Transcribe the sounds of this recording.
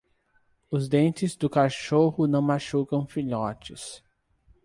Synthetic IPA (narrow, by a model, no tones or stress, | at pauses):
ʊzd̪ẽnt͡ʃɪzd̪ʊkaʃohʊnɐ̃w̃maʃukɐ̃w̃fiʎɔt͡ʃɪs